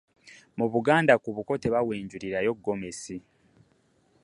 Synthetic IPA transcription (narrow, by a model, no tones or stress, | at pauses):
muβuɡaːndakuβuko̞te̞βawe̞ːɲɟuɾiɾajo̞ɡːo̞me̞si